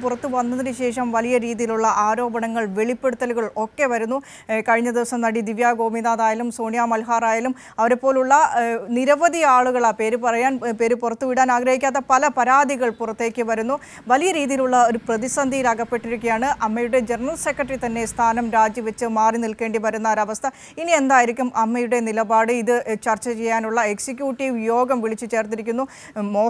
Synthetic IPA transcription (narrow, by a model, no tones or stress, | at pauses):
purɐt̪ːɨʋɐnːɐðinɨɕe̞ːʂɐmʋɐlijɐɾiːðijiluɭːɐʔaːɾo̞ːbɐɳɐŋːɐɭʋe̞ɭipːe̞ɽut̪ːɐluɣɐɭo̞kːe̞ʋɐɾunːu | kɐɻiɲːɐðiʋɐsɐmnɐɽid̪iʋjaːɡo̞ːminaːðaːjɐlumso̞ːɳijaːmɐlɦaːraːjɐlum | ɐʋɐɾepːo̞ːluɭːɐniɾɐʋɐðiaːɭuɣɐɭape̞ːɾupɐrɐjaːnpe̞ːɾupurɐt̪ːuʋiɽaːnaːɡɾɐhikʲːaːt̪ːɐpɐlɐpɐɾaːd̪iɣɐɭpurɐt̪ːe̞ːkʲːɨʋɐɾunːu | ʋɐlijɐɾiːðijiluɭːɐo̞ɾuprɐðisɐnd̪ʱijlaːɡɐpːe̞ʈːiɾuk̬ʲːijaːɳɨʔɐmːɐjuɽe̞d͡ʑe̞nɐrɐlse̞kːɐʈrit̪ɐnːe̞st̪ʰaːnɐmɾaːd͡ʑiʋet͡ɕːɨmaːrinilke̞ːɳɖipɐɾunːɐːɾɐʋɐst̪ʰɐ | inie̞nd̪aːjiɾikʲːumʔɐmːɐjuɽe̞nilɐbaːɽɨiðɨt͡ɕɐrt͡ɕːɐt͡ɕe̞jːaːnuɭːɐeksik̬ʲːjuːʈːiʋjoːɡɐmʋiɭit͡ɕːɨt͡ɕe̞ːrt̪ːiɾikʲːunːu | moː